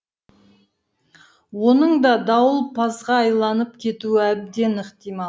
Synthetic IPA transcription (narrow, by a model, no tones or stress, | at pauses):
wo̞nəɴd̪ɑd̪ɑwəlˠpʰɑzʁɑːjlˠɑnəp̚kʲʰe̞t̪uɪæb̚d̪e̞nəqt̪ijmɑ